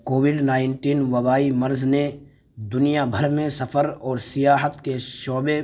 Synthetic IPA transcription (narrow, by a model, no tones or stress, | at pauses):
koːwɪɖnaːɪnʈiːnʋɐbaːimɐɾzne | d̪ʊnijabʱəɾmẽsɐfʰəɾɔːɾsɪjaːɦət̪keʃɔːbe